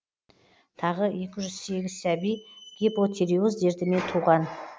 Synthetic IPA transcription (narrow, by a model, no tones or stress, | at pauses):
t̪ʰɑʁəje̞kʲɪʒʏz̥se̞ɡʲɪz̥sæbijɡ̥ʲepot̪ʰʲeɾiuzd̪e̞ɾt̪ɪme̞nt̪ʰuʁɑn